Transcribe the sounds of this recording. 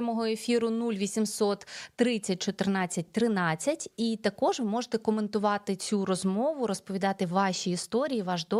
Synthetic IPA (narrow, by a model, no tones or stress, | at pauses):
mɔɦɔefʲiɾʊnulʲʋʲisʲimsɔt̪ːɾɪt͡sʲːɐt̚ʲt͡ʃɔt̪ɪrnɑt͡sʲːɐt̚ʲt̪ɾɪnɑt͡sʲːɐtʲit̪ɐkɔʒʋɪmɔʒet̪ɛkɔment̪ʊʋɑt̪ɪt͡sʲuɾɔzmɔʋʊɾɔspɔʋʲid̪ɑt̪ɪʋɑʃiːst̪ɔɾʲijiʋɑʒd̪ɔ